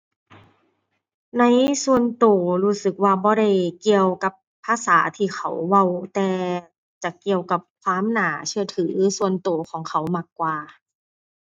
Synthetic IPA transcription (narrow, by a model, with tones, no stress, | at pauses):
na˧˥˨jsu˧ənt̪oː˨˩ɾuː˧˥˩sɯ˨˩k̚waː˧˩bɔː˧˦ɾa˧˩jki˨˧əwka˨˧˩pʰːaː˧saː˩˦t̪ʰiː˧˩xʰa̰˨˩wːa˧˩wt̪ɛː˨˩ | t͡ɕa˨˧˩ki˨˩əwka˨˩p̚kʰwaː˧˥˨mnaː˨˩˦t͡ɕʰɯ˧ət̪ʰɯː˩˦su˧ənt̪oː˨˩kʰɔː˨˩˦ŋkʰa˧˩wmaː˧˩kːwaː˨˩